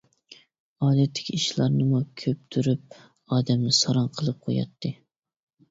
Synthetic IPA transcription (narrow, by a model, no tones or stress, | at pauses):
ɑːd̪ɛt̪ʰːɪ̥kʲʰiiʃlˠɑɾnɨmukʲʰøp̚t̪ʰyɾyp̚ | ɑːd̪ɛmnɪsɑɾɑnqʰəlˠɨp̚qʰo̰jɑ̰t̪ʰːɨ